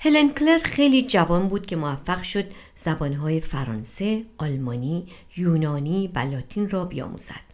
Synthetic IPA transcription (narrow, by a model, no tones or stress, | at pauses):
helenkle̞ɾxe̞jliːd͡ʒævɒːnbuːd̪̥̚cʲʰe̞movæfːæɣʃo̞d̪̥ | z̥æbɒːnɦɒːje̞fæɾɒːnse̞ɒːlmɒːniː | juːnɒːniːvælɒːt̪ʰiːnrɒːbijɒ̰ːmṵːz̥æ̰d̪̥